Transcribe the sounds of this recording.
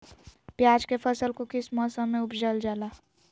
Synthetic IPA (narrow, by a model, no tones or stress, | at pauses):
pjaːd͡ʒkepʰəsəlkokɪsmɔːsãmẽʊpd͡ʒəld͡ʒaːlaː